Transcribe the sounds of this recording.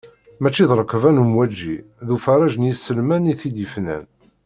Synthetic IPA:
mæt͡ʃːiðɾˤəkːvænumwæd͡ʒːiðufəɾˤɑʒənjisːəlmæniθid̪əfnæ̰n

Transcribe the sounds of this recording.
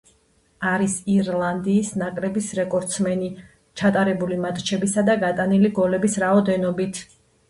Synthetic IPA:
aɾisiɾlˠand̪iːsnakʼlɛbisɾɛkʼɔɾt̪sʰmɛni | t͡ʃʰat̪ʼaɾɛbulimat̪ʼt͡ʃʰɛbisad̪aɡat̪ʼaniliɡɔlɛbisɾaɔd̪ɛnɔbit̪ʰ

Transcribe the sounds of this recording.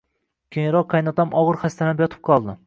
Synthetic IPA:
kʲʰeŋɾɒqʰːajnɒt̪ʰamʔɒʁɨɾχast̪anɪpjɒt̪ʰɪ̥p̚qʰɒlˠd̪ɪ

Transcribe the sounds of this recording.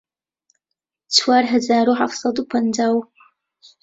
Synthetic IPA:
t͡sʰwaːrɦazaːɾuħafsɑdupʰɐndaːw

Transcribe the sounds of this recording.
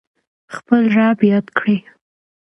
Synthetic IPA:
xpəlʐɑbjɑd̪kɽi

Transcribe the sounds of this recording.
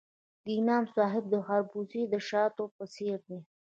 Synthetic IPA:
d̪inɑmsɑːɦɪb̚d̪əxɑɾbuzid̪əʃɑt̪opəseɾd̪i

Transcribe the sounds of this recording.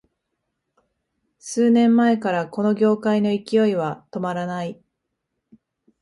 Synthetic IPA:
sɨːnẽ̞mːae̞kaɾako̞no̞ɡʲo̞ːkaino̞ikʲijo̞iβat̪o̞maɾanai

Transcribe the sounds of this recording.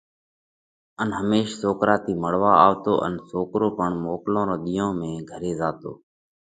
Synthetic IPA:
ənɦəmeːʃsoːkɾaːt̪iːməɽ̤ʋaːaːʋt̪oːʔə̰nsoːkɾoːpəɳmoːklõːɾõːɗ̪ijõːmẽːɡʱəɾeːzaːt̪o̰ː

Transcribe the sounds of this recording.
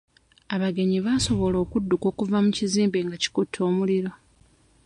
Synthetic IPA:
aβaɡe̞ɲiβaso̞βo̞lo̞ːkudːuko̞ːkuvamuciziːmbe̞ŋɡaci̥kutʰːo̞ːmuliɾo̞

